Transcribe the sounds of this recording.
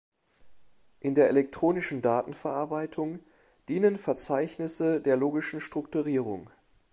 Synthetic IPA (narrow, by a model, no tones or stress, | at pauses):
ʔɪndeːɐʔelɛk̚tʁ̥oːnɪʃn̩daːtn̩fɛɐʔaɐbaɪtʰʊŋ | d̥iːnənfɛɐt͡saɪçnɪsədeːɐloːɡɪʃn̩ʃtʁ̥ʊktuʁiːʁʊ̰ŋ